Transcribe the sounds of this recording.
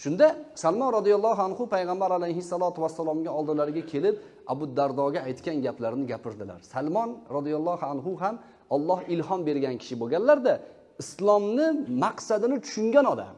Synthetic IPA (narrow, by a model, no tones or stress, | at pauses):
ʃʊnd̪asalˠmɒnɾɑd̪ijalˠːɒɦanhʊpʰajʁɑmbaɾalajɦɪsːalˠɒt̪ʰʊwasːalˠɒmɡʲaɒlˠd̪ɪlaɾɪɡʲakʲʰe̞lɪp̚ | abʊd̪aɾd̪ɒɡʲaajt̪kʲanɡʲaplaɾnɪɡʲapʰɪɾd̪ɪla̰ɾsalˠmɒnɾɑd̪ijalˠːɒhanɦʊɦam | ɒlˠːɒhɪlɦɒnbe̞ɾɡʲankʲʰɪ̥ʃɪboɡʲanlaɾd̪a | ɪslˠɒmnɪmaqsad̪ɪnɪt̪ʰʊ̥ʃʊŋɡʲanɒd̪a̰m